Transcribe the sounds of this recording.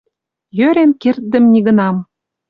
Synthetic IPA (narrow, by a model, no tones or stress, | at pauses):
jøɾenkert̪̚d̪ə̆mnʲiɣə̆nɑm